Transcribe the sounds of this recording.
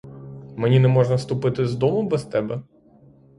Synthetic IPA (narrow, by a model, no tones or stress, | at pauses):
mɛnʲinɛmɔʐnɐst̪ʊpɪt̪ɪzd̪ɔmʊbɛst̪ɛbɛ